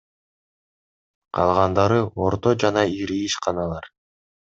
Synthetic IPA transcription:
qʰɑ̰lˠʁɑnd̪ɑɾɯoɾt̪o̞d͡ʒɑnɑiɾiːʃqɑnɑlˠɑɾ

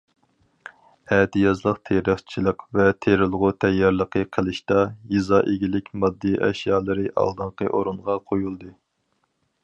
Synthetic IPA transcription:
ɛd̪ɪjɑzlˠəqt̪ʰeɾəχt͡ʃʰilˠəqvɛt̪ʰeɾɪlˠʁʊt̪ʰɛjːɑɾlˠəqʰəqʰəlˠɪʃt̪ɑjizɑʔeɡʲilɪkʲmɑd̪ːiʔɛ̰ʃjɑːlˠɨɾɨʔɑ̰lˠd̪ɨɴqə̰ʔoɾunʁɑqʰojulˠd̪ɨ

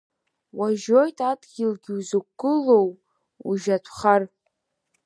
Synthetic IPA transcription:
waʒojtʼadʼɡʲilɡʲɪwzukːɨlow | uʒatʷʰχar

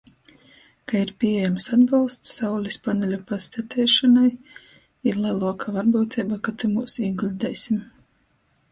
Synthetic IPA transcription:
kaiɾpʲiejamsad̪balˠst̪sawlʲispanɛlʲapast̪at̪ʲʰɛːʃanaj | iɾlˠalˠuɔkʰavaɾbuːt̪ʰʲɛːbakat̪ɨmuːsiɡlʲid̪ɛjsʲim

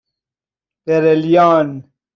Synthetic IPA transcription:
eɾelijaːn

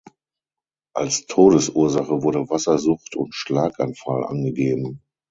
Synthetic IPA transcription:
ʔalstʰoːɾəsuːɐzaχəvʊɐɾəvasɐzʊχtʊ̰ntʃlaːkanfalʔa̰nɡəɡeːbm̩

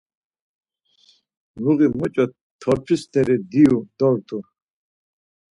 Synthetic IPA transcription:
nuɣimɔt͡ʃʼɔ | t̪ʰːɔɾpʰist̪ʰɛɾid̪iud̪̥ɔɾt̪ʰu

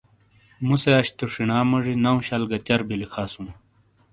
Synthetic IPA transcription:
museɐɕt̪oʂinaːmɐʐinɐũɕɐlɡɐt͡ɕɐɾbilikʰaːsũː

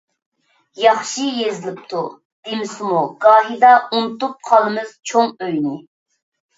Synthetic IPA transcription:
jɑχʃijezɪlɪp̚t̪ʰu | d̪̥emɪsɪmuɡɑːɦid̪ɑunt̪up̚qʰɑlˠɨmɨz̥t͡ʃʰoŋøjnɪ

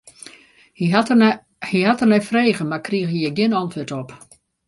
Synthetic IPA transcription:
h | hihatərnɛfreːɣənmakriəxhijɛɡjɪnɔntʰʋøtɔp

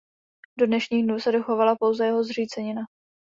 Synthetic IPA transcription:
do̞dnɛʃɲiːɣdnuːsɛdo̞xovalapo̞wzɛjɛɦo̞zr̝iːt͡sɛɲɪna

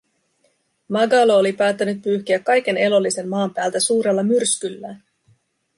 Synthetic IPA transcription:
mɑɡɑloolipæːt̪ːænyt̪̚pyːçk̟iækːɑjk̟e̞ne̞lo̞lːise̞mːɑːmpæːlt̪æsuːɾe̞lːɑmyrskylːæːn

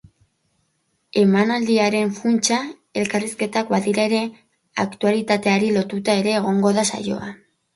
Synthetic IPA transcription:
e̞manald̪iaɾe̞ɱfunt͡ʃa | e̞lkariske̞t̪akbaðiɾaeɾe̞ | akt̪ualit̪at̪e̞aɾilo̞t̪ut̪ae̞ɾe̞ːɣ̞o̞ŋɡo̞ðasa̰jo̞̰a̰

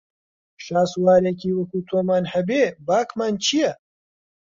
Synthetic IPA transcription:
ʃaːswaːɾekiːwɐkuːt̪ʰoːmaːnhɐbeːbaːkmaːnt͡ʃʰijɛ

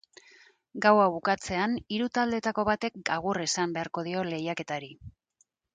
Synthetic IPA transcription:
ɡawaβukat͡se̞aniɾut̪ald̪e̞t̪ako̞βat̪e̞k̚ɡaɣ̞uresambe̞aɾko̞ðio̞le̞jake̞t̪aɾi

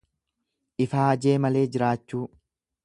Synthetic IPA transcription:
ʔɪfaːɐd͡ʒe̞ːmɐle̞ːd͡ʒɪɾaːt͡ʃːuː

